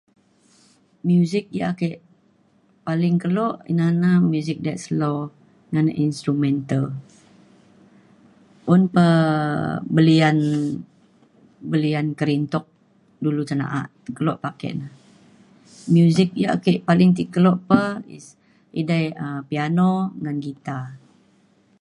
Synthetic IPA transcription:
mjuzɪk̚ja̰akeʔ | palɪŋkəlɔʔḭnanamjuzɪk̚dɛt̪̚slo | ŋanaʔinst̪ɾumɛnt̪al | ʔʊnpə | bəlian | bəliankəɾint̪ɔk̚ | dulut̪əna̰ʔa̰ʔ | kəlɔʔpakɛ̰ʔnah | mjuzɪk̚ja̰ʔkeʔpalɪŋt̪̬ikəlɔʔpəḭs | idajəpianɔŋanɡit̪a

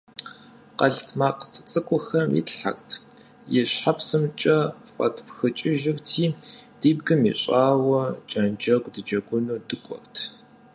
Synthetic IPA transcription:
qɐɮtʰmaːqt͡sʼɨ̥t͡sʼɨkʷʼʊxɐmjḭtħa̰xtʰ | jɛɕħapsɨmt͡ʃʼɐfʼɐ̰tʰpxɨt͡ʃʼɪʒɪxtʰiːd̥iːbɡɨmḭɕʼaːwɐt͡ʃʼɐnd͡ʒɐɡʷʼdɨd͡ʒɐɡʷʊnuːdɨkʷʼɔ̰xtʰ

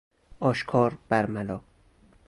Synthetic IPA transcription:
ɒːʃkʰɒːɾb̥æɾmælɒː

